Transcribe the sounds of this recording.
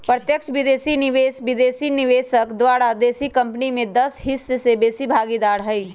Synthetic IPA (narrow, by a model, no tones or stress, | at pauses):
pɾət̪jəkʃbɪd̪eːsinɪʋeːsbɪd̪eːsinɪʋeːsəkd̪waːɾad̪eːsikɐ̃mpnimẽd̪ɐsɦɪsːsebeːsibʱaːɡid̪aːɾɦɛi